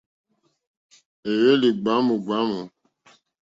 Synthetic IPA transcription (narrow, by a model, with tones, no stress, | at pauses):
e˨je˦li˨ɡ͡ba˨˦mu˨ɡ͡ba˨˦mu˨